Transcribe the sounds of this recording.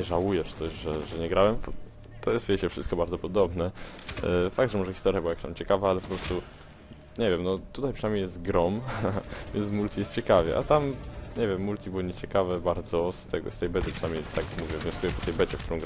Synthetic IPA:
ɛʐawujɛʂt̪sɔɕʐɛʐɛɲɛɡɾawɛm | t̪ːɔjɛst̪vʲet͡ɕɛfʂɘst̪̚kɔbaɾd̪ɔpɔd̪ɔbnɛ | faɡ̚d̪ʐɛmɔʐɛxʲist̪ɔɾjabɘwajkḁt̪amt͡ɕɛkavaalɛpɔpɾɔst̪u | ɲɛvjɛmnɔt̪ut̪ajpʂɨnamjejɛst̪ɡɾɔm | vʲjɛnt̪smult̪ʲijɛst̪t͡ɕɛkavʲjɛ̰ʔa̰t̪amɲɛvjɛmːult̪ʲibɘwɔɲɛt͡ɕɛkavɛbaɾd̪zɔst̪ɛɡɔ̰st̪ɛjbɛt̪ɘpʂɨnamɲejt̪akmuvʲjɛvɲɔskujɛpɔt̪ɛjbɛt͡ɕɛkt̪uɾɔ̃w̃ɡɾ

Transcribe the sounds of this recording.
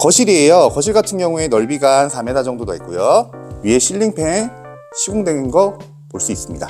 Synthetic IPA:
kʌɕʰiɾie̞jʌkʌɕʰiɭɡatʰɯnɡjʌŋue̞nʌɭbiɡansʰame̞dad͡ʑʌŋdodoḛk͈ojoɥie̞ɕʰiʎːiŋpʰe̞n | ɕʰiɡoŋdwe̞nɯnɡʌ | poɭs͈uis͈ɯmɲida̰

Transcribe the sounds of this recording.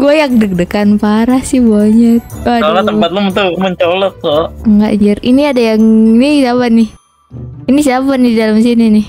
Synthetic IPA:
ɡuajak̚dək̚dəkanpaɾahsɪhbaɲət̪̚aadmat̪əpat̪̚lomənt̪uməɲt͡ʃolɔk̚t̪oŋɡa̰ʔd͡ʒəriniadajaŋnisabanɪh | inis̬iabanɪdidalams̬ininɪh

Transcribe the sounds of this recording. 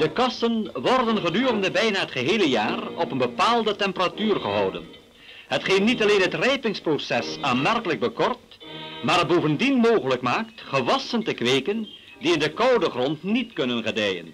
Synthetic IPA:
d̥əkɑsənʋɔrdənχədyːrəndəbɛjnaːɦətχəɦeːləjaːrɔpənbəpaːlˠdətɛmpəratyːrχəɦɑwdə̰n | ɦətχeːnnːitɑleːnɦətrɛjpɪŋsprosɛsaːnmɛrkələɡ̚bəkɔrt | maːrboːvəndinmoːχələkmaːktχəʋɑsəntəkʋejkən | diɪndəkɑwdəχrɔntnitkɵnənχədɛjə̰n

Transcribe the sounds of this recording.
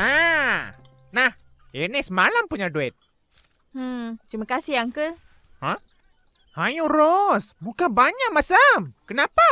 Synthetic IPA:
a | nah | jənisəmalampuɲaduɛt̪̩̚ | t̪ɾiməkasiaŋkə | hã | hajuɾɔsmukabaɲaʔ̚masamkənapa

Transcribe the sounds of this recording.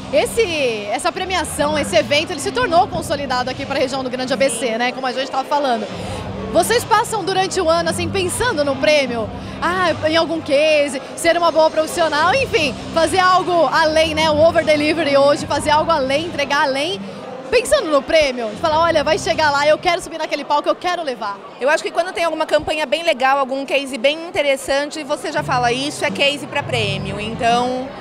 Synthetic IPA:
esɪɛsɐpɾemiasɐ̃w̃esɪevẽnt̪ʊelɪsɪt̪oɾnowkõsolid̪ad̪ʊakipɾɐheʒiɐ̃w̃d̪ʊɡɾɐ̃nd͡ʒɪabesenɛkõmʊaʒẽt͡ʃɪ̥t̪avɐfalɐ̃nd̪ʊ | vosespasɐ̃w̃d̪uɾɐ̃nt͡ʃɪʊɐ̃nʊasĩj̃pẽsɐ̃nd̪ʊnʊpɾẽmiʊ | aẽawɡũkezɪ | seɾũmɐboɐpɾofi̥sionawẽj̃fĩ | fazeɾawɡʊalẽj̃nɛʊoveɾd̪eliveɾɪoʒɪfazeɾawɡʊalẽj̃ẽnt̪ɾeɡaalẽj̃ | pẽsɐ̃nd̪ʊnʊpɾẽmjʊɪfalaɔʎɐvajʃeɡalaewkɛɾʊsobiɾnɐkelɪpawkɪewkɛɾʊlevaɾ | ewaʃʊ̥kɪkwɐ̃nd̪ʊt̪ẽj̃awɡũmɐkɐ̃mpɐ̃ɲɐbẽj̃leɡawawɡũkejzɪbẽj̃ĩnt̪eɾesɐ̃t͡ʃɪvoseʒafalɐisʊɛkejzɪpɾɐpɾẽmiʊẽnt̪ɐ̃w̃

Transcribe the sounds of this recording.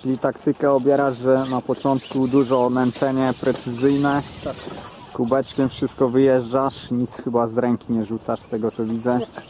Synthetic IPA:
t͡ʃɘlʲit̪akt̪ɘkɛɔbʲjɛɾaʐʐɛnapɔt͡ʂɔnt̪kud̪uʐɔmɛnt͡s̪ɛɲɛpɾɛt̪sɘzɘjnɛ | kubɛt͡ʂkʲɛmfʂɘst̪kɔvɘjɛʐd͡ʐaʂɲit̪sxɘbazɾɛŋkʲiɲɛʐut̪saʂst̪ɛɡɔt̪sɔvʲid̪zɛ

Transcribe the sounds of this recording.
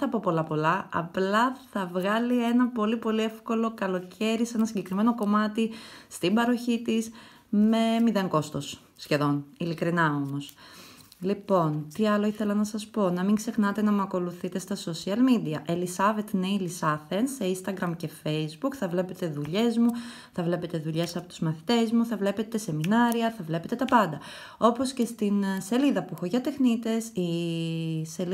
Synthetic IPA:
ɐpo̞po̞lɐpo̞lɐɐ̰plɐθɐvɣɐlie̞nɐpo̞lipo̞lie̞fko̞lo̞kɐlo̞cʰe̞ɾise̞nɐsiɲɟe̞kɾime̞no̞ko̞mɐt̪ist̪ibɐɾo̞çit̪is | me̞miðeŋko̞st̪osː | çe̞ðo̞nilikɾinɐo̞mo̞s | lipo̞nt̪iɐlo̞iθe̞lɐnɐsɐspo̞nɐmiŋɡse̞xnɐt̪e̞nɐmuɐko̞luθit̪e̞st̪ɐso̞siɐlmid̪iɐʔelisɐvet̪ineilisɐθe̞nse̞inst̪ɐɡɾɐmce̞fe̞jzbukθɐvle̞pe̞t̪e̞ðuʎe̞zmu | θɐvle̞pe̞t̪e̞ðuʎe̞sɐpo̞t̪uzmɐθi̥t̪e̞zmuθɐvle̞pe̞t̪e̞se̞minɐɾiɐθɐvle̞pe̞t̪e̞t̪ɐpɐnd̪ɐ | o̞po̞sce̞st̪inse̞liðɐpuxoʝɐt̪e̞xnit̪e̞si | sel

